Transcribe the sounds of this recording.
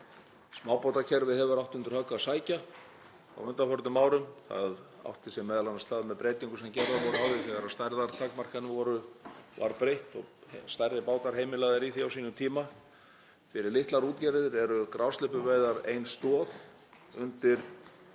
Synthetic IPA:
smaːwpawt̪acʰɛɾvɪðhɛvʏɾawht̪ʏnt̪ɾhœkːaðsaːjca | a̰wʏnt̪afɔɾt̪ʏmaːwɾʏmθa̰ða̰wht̪ʰɪ̥sɛmːɛːðalanast̪aːðmɛðpɾeːjt̪iŋkʏsɛmcɛɾðavɔɾawðɪθɛɣaɾast̪aɾðaɾt̪ʰakmar̥kɛnːvɪvɔːɾʏva̰ɾpɾejht̪ɔ̰ɣst̪arðɪpaːwt̪aɾ̥ɦeːjmɪlaːɣðɪɾiθiawsiːnʏmt̪ʰiːma | fɪɾɪɾlɪht̪laɾuːt̪cɛɾɪðɪɾɛɾʏkɾawst̪ɪpʏveːjðaɾejnst̪ɔːð | ʏnt̪ɪɾ̥

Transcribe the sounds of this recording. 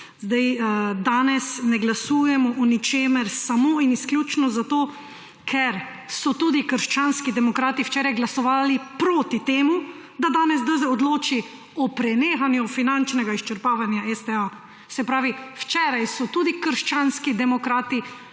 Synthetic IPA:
zd̪ajd̪aːnɛsnɛɡlasuːjɛmɔʔɔnit͡ʃeːmɛɾsamoːinisklʲjuːt͡ʃnɔzat̪oː | kʰɛɾ | sɔt̪uːd̪ikəɾʃt͡ʃaːnskid̪ɛmɔkɾaːt̪iwt͡ʃɛːɾajɡlasɔʋaːlipɾoːt̪it̪eːmu | d̪ad̪aːnɛzd̪əzɛɔd̪loːt͡ʃi | ɔpɾɛnexanjufinant͡ʃnɛɡaiʃt͡ʃəɾpaːʋanjaɛst̪ɛa | sɛpɾaːʋiwt͡ʃɛːɾajsɔt̪uːd̪ikəɾʃt͡ʃanskid̪ɛmɔkɾaːt̪i

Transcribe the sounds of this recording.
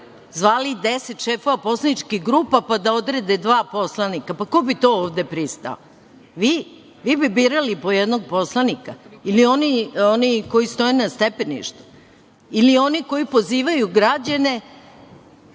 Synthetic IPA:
zʋaːlid̪eset̪ʃeːfo̞ʋapo̞slˠanit͡ʃkixɡɾuːpapad̪ao̞d̪ɾed̪ed̪ʋaːpo̞slˠanikapako̞bit̪o̞oːʋd̪e̞pɾist̪a̰o̰ | ʋi | ʋibibiɾalipo̞jed̪no̞ɡ̚po̞slˠanikailio̞nioniko̞jist̪o̞jenast̪epenḭʃt̪u̥ | ilio̞niko̞ipo̞ziːʋajuɡɾad͡ʑane̞

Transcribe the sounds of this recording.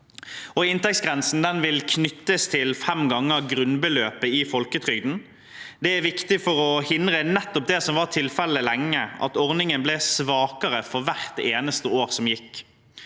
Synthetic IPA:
ɔɪnt̪ɛk̚sɡʁɛnsn̩d̪ɛnʋɪlkʰnʏt̪ːəst̪ʰɪlfɛmɡɑŋːəʁɡɾʉnbəløːpəɪfɔlkət̪ʰʁʏɡd̪n̩ | d̪ɛæʋɪkt̪ɪfɔʁɔhɪnd̪ʁənɛt̪ːɔp̚d̪ɛsɔmʋɑːʁt̪ʰɪlfɛləlɛŋːəʔɑ̰t̪ɔʁnɪŋənblɛsʋɑːkəʁəfɔʁʋæʁt̪eːnəst̪əoːʁsɔmjɪkː

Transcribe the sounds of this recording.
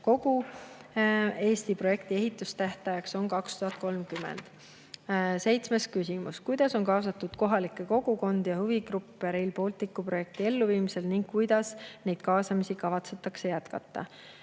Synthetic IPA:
ko̞ɡ̥u | e̞ːst̪ipro̞je̞kt̪ie̞ɦit̪ːˑust̪æht̪ɑjɑkso̞nkɑkst̪uɦɑt̪̚ˑko̞lmkymḛnd̪̥ | se̞jt̪sme̞skysʲimuskujd̪̥ɑso̞ŋkɑːsɑt̪ːˑud̪̥ko̞ɦɑlikːˑe̞ko̞ɡ̥uko̞nd̪̥jɑhuviɡ̥rupːˑeɾejlpo̞ːlt̪ːikːupro̞je̞k̚t̪ie̞lːuviːmise̞lniŋɡ̥̚kujd̪̥ɑsne̞jd̪̥kɑːsɑmisikɑvɑt̪se̞t̪ːˑɑkse̞jæt̪kɑ̰t̪ːˑɑ̰

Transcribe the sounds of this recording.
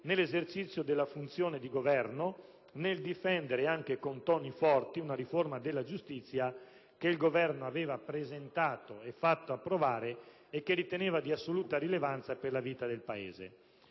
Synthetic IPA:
nelːezert͡ʃit̪sːjod̪elːafunt̪sjoːned̪iɡovɛrno | neld̪ifɛnd̪eɾeaŋk̟ekont̪ɔːnifɔrt̪iunaɾiformad̪elːad͡ʒust̪it̪sːja | keilɡovɛrnoaveːvapɾezent̪aːt̪oefat̪ːoapːɾovaːɾeː | kːeɾit̪eneːvad̪iasːoluːt̪aɾilevant̪saperlaviːt̪ad̪elpaḛːzḛ

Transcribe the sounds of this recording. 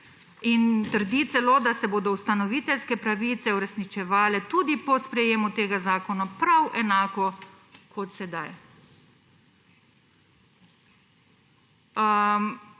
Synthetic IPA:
int̪əɾd̪it̪sɛloːd̪asɛboːd̪ɔust̪anɔʋiːt̪ɛlskɛpɾaʋit̪sɛuɾɛsnit͡ʃɛʋaːlɛt̪ud̪ipɔspɾɛjeːmut̪eːɡazaːkɔnapɾawʔɛnaːkɔ | kʰɔt̪sɛd̪aj

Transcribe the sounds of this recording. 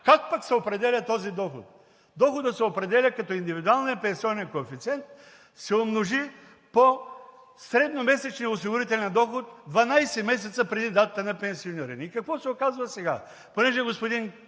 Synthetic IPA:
kak̚paksɛopɾɛd̪ɛlʲɐt̪ɔzid̪ɔxo̰t̪̚ | d̪ɔxod̪ət̪sɛopɾɛd̪ɛlʲəkɐt̪ɔind̪ivid̪ualˠnijəpɛ̃nsiɔnɛnkoɛfit̪sɛnt̪̚ | sɛomnoʒi | po | sɾɛd̪nomɛsɛt͡ʃnios̬iɡʊɾit̪ɛlʲɛnd̪ɔxot̪̚d̪vanajsɛmɛs̬ɛt̪səpɾɛd̪id̪at̪ət̪ənɐpɛ̃nsioniɾiniikɐkvɔsɛokazvəsɛɡa̰ | ponɛʒɛɡospod̪in

